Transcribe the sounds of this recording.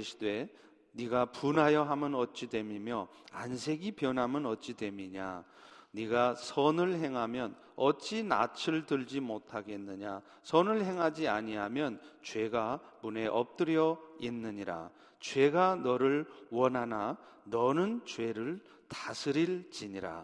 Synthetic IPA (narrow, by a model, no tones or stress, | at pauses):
ɕʰi̥dwe̞ | niɡapunɦajʌɦamɯnʌt̚t͡ɕ͈idwe̞mimjʌ | a̰nsʰe̞ɡipjʌnɦamɯnʌt̚t͡ɕ͈idwe̞miɲa̰ | niɡasʰʌnɯɭɦe̞ŋɦamjʌn | ʌt͡ɕ͈ina̰t͡ɕʰɯɭtɯɭd͡ʑimotʰaɡe̞nːɯɲa | sʰʌnɯɭɦe̞ŋɦad͡ʑiaɲiɦamjʌnt͡ɕwe̞ɡamune̞ʔʌp̚t͈ɯɾjʌinːɯɲiɾa̰ | t͡ɕwe̞ɡanʌɾɯɭwʌnɦananʌnɯnt͡ɕwe̞ɾɯɭ | tasʰɯɾiɭt͡ɕiɲiɾa̰